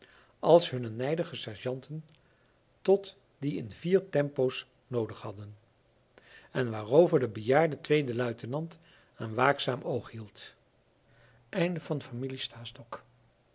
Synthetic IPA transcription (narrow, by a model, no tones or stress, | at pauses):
ʔɑlˠsɦɵnənɛjdəχəsɛɹʒɑntən | tɔt | diɪnviːɹtɛmpows | nowdəχhɑdən | ɛnʋaːrowvəɹdəbəjaːɹdətʋejdəlœɥtənɑnt | anʋaːksaːmʔowχɦilˠt | ʔɛjndəvɑnfamilistaːstɔk